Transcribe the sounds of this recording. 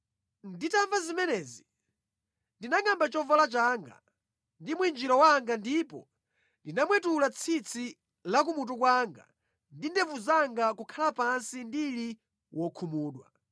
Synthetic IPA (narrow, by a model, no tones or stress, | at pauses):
nditaɱvazimɛnɛːzi | ndinaŋambat͡ʃɔvɔlat͡ʃaŋɡa̰ | ndimwind͡ʒiɾɔwaŋɡandipɔ | ndinamwɛtulat͡sʰit͡sʰi | lak̬umut̬ukwaŋɡa̰ | ndindɛvuzaŋɡakukʰalapansindili | wɔkʰumuːɗwa̰